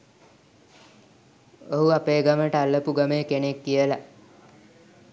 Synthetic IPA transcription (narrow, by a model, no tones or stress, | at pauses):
oɦuapeːɡəməʈəalːəpuɡəmeːkenekːijəla